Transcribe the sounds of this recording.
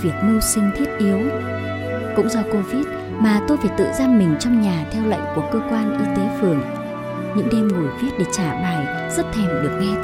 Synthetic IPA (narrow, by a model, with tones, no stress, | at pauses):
vi˨˩ək̚nu˧wsï˧ŋ̟t̪ʰi˦˥ət̚ʔi˨˦əw | kʊ̰˧˥ŋ͡mzɔ˧ko˧vi˦˥t̚ | maː˨˩t̪o˧jvaː˨˩t̪ɨ̰˧˨zaː˧nmï˨˩ŋ̟t͡ɕɔ˧wŋ͡mɲaː˨˩t̪ʰɛ˧wlə̰˧˨ŋku˧˩əkəː˧kwaː˧nʔi˧˦t̪e˨˦fɨ˨˩əŋ | ɲɨ̰˧˥ŋɗe˧mŋu˨˩jvi˦˥ət̚ɗe˧˩t͡ɕaː˧˩ɓaː˨˩j | z̥ə˦˥t̚t̪ʰɛ˧˩mɗɨ˨˩ək̚ɗɛ˧